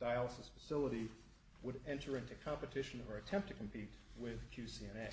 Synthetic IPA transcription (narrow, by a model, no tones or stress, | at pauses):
d̥aɪəlˠəsɨsfɨsɪlˠəɾi | wəɾɛ̃ntʰə˞ɪ̃ntʉkʰɑ̃mpɨtʰɪʃɨ̃nə˞ɨtʰɛ̃mp̚tʰɨkʰm̩pʰit̚wɪð̥kʰj̥ʉsiɛ̃nɛɪ